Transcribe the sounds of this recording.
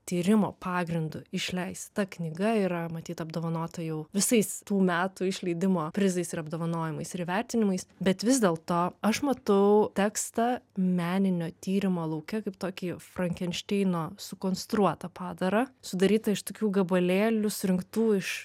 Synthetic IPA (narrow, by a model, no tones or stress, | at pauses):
t̪ʲiːɾʲɪmo̰ːpɑːɡɾʲɪnd̪ʊɪʃʲlʲɛɪst̪ɐknʲɪɡɐiːɾɐmɐt̪ʲiːt̪ɐbd̪oːʋɐnoːt̪ɐjɛʊʋʲɪsɐɪst̪uːmʲæːt̪ʊɪʃʲlʲɛɪd̪ʲɪmoːpʲɾʲɪzɐɪsɪɾɐbd̪oːʋɐnoːjɪmɐɪsɪɾʋʲæɾʲt̪ʲɪnʲɪmɐɪsbʲɛt̪ʋʲɪzd̪ʲeːlˠt̪oːɐʃmɐt̪ɐʊt̪ʲæːkst̪ɐmʲæːnʲɪnʲoːt̪ʲiːɾʲɪmoːlˠɐʊkʲɛkɐɪpt̪oːkʲiːfɾɐŋʲkʲɛnʲʃʲt̪ʲɛɪnoːsʊkoːnst̪ɾuɔt̪ɐpɑːd̪ɐɾɐsʊd̪ɐɾʲiːt̪ɐɪʃt̪oːkʲuːɡɐbɐlʲeːlʲʊsʊɾʲɪŋkt̪uːɪʃ